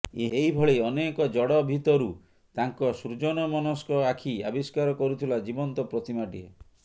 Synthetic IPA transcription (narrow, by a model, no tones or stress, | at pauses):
eejbʱɔɭeɔnekɔd͡ʒɔɽɔbʱit̪ɔɾu | t̪aŋkɔsuɾud͡ʒɔnɔmɔnɔskɔakʰia̰biskaɾɔkɔɾut̪ʰilad͡ʒibɔnt̪ɔpɾɔt̪imaʈḭḛ